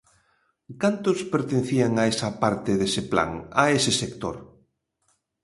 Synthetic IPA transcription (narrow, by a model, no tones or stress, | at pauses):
kant̪ʊspeɾt̪ẽnθiaŋaesɐpaɾt̪ɪðesɪpla̰ŋa̰esɪsekt̪o̰ɾ